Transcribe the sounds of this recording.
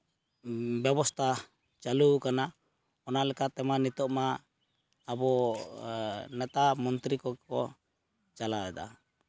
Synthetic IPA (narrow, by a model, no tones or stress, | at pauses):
bɛbɔst̪ʰa | t͡ʃalukana | ɔnalɛkat̪ɛmanit̪ɔʔmaː | bɔ | nɛt̪amɔnt̪ɾikɔkkɔ | t͡ʃalaɛd̪a̰